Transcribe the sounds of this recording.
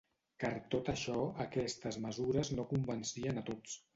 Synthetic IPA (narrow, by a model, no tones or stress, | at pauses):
kaɾt̪ot̪əʃɔəkɛst̪əzməzuɾəznokumbənsiənət̪ot͡s